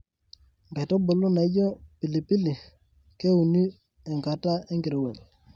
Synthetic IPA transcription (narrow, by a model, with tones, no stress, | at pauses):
ŋbɛ˨tɔ˦bo˨lʊ˦na˨˦d͡ʒɔ˦pi˨li˨pi˦li˨ | ke˦u˨ni˦ | ɛ˨ŋɡa˨ta˦ɛ˦ŋɡɪ˨ɾwɛ˨l